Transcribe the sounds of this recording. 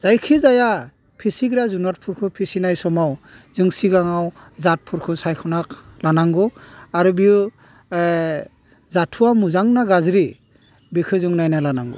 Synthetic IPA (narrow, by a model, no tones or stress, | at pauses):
z̥ajkʰizaja | pʰisiɡɾazunat̚pʰuɾkʰɯpʰisinajsɔmaw | zɯŋsiɡaŋaw | zat̚pʰuɾkʰɯsajkʰɔnaklanaŋɡɔaɾubiu | zatʰuwamuzaŋnaɡazɾi | bikʰɯzɯŋnajnalanaŋɡɔ̰